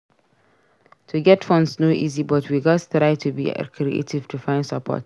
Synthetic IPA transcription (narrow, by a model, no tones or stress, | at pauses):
tʰuɡɛtfɔ̃ndsnoʔḭzibʌtʰwiɡɔstɾaɪtʰubḭə̰kʰɾiḛtiv̥tʰufãɪ̃nsəpʰɔ̰t